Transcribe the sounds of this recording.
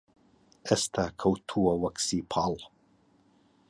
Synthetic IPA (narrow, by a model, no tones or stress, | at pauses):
ɛst̪ʰakʰɐwt̪ʰuːɐwɐksipʰal